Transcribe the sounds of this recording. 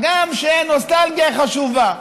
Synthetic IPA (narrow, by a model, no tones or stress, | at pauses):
ɡamʃeenost̪alɡijaχaʃuva